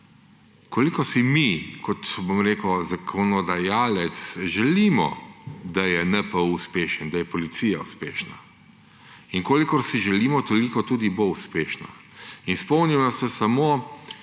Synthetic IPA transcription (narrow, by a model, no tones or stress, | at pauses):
kolikɔsimikʰɔt̪bomɾeːkwzakʰɔnɔd̪ajaːlɛt̪sʒɛliːmɔ̰d̪ajɛnɛpɔuspeːʃənd̪ajɛpɔlit̪siːjauspeːʃna̰ | inkoːlikɔɾsiʒɛliːmɔt̪ɔlikɔt̪uːd̪ibouspeːʃna̰ | inspɔwnimnast̪ɛsamo